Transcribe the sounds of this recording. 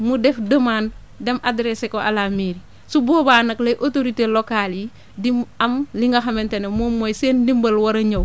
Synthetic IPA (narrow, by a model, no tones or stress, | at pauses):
mudɛfdɐmaːn | dɛmadɾesekoʔa̰lamiɾi | subɔːbaːnɐklɐjʔotoɾitelokalji | dimɐmliŋɡɐxɐmɛntɐnemoːmːojseːndimbɐlwɐɾɐɲɐw